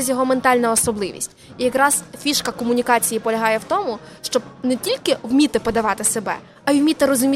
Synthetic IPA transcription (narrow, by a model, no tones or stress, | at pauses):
ɛzʲjɔɦɔment̪ɑlʲnɐɔsɔblˠɪʋʲḭsʲtʲ | ijɐkɾɑz̥fʲiʃkɐkɔmʊnʲikɑt͡sʲijipɔlʲɐɦɑjɛwt̪ɔmʊʃt͡ʃɔbnɛtʲilʲkɪwmʲit̪ɪpɔd̪ɐʋɑt̪ɪsebɛ̰ | ɐjwmʲit̪ɪɾɔzʊmʲi